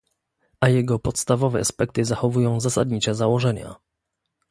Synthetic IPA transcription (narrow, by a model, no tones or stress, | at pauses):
ʔajɛɡɔpɔt̪st̪avɔvɛ̰aspɛk̚t̪ɘzaxɔvujɔ̃w̃zasad̪ɲit͡ɕɛzawɔʐɛɲa̰